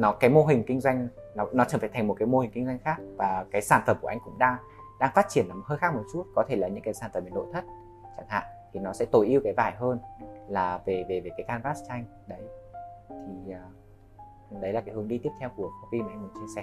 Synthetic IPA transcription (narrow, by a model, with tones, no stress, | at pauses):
nɔ˨˦kaː˨˦jmo˧ɦï˨˩ŋ̟kï˧ŋ̟zwa˧jŋ̟nɔ˨˦nɔ˨˦t͡ɕə˧˩faː˧˩t̪ʰa˨˩ŋmo˨˩t̚kaː˨˦jmo˧hi˨˩ŋ̟kï˧ŋ̟zwa˧jŋ̟xaː˦˥k̚vaː˨˩kaː˨˦jsaː˧˩nfə˨˩mku˧˩ʔŋkʊ̰˧˥ŋ͡mɗaː˧ŋ | ɗaː˧ŋfaː˦˥t̚t͡ɕi˧˩ənlaː˨˩m̚˨˩həː˧jxaː˦˥k̚mo˨˩t̚t͡ɕu˦˥t̚kɔ˨˦t̪ʰe˧˩laː˨˩ɲɨ̰˧˥ŋkaː˨˦jsaː˧˩nfə˨˩mɓnɗo̰˧˨jt̪ʰə˦˥t̚ | t͡ɕa˧˩ŋha̰ː˧˨ŋt̪ʰi˨˩nɔ˨˦sɛ̰˧˥t̪o˧˩jʔi˧əwkaː˨˦jvaː˧˩jɦəː˧nlaː˨˩ve˨˩ve˨˩ve˨˩kaː˨˦jkaː˧nvaː˦˥st͡ɕa˧jŋ̟ | ɗə˨˦jt̪ʰi˨˩əː˨˩ | ɗə˨˦jlaː˨˩kaː˨˦jhɨ˨˦əɗi˧t̪i˦˥əpt̪ʰwku˧˩əfa˨˧˦vi˧m˨˧ŋmu˨˩t͡ɕi˧əsɛ˧˩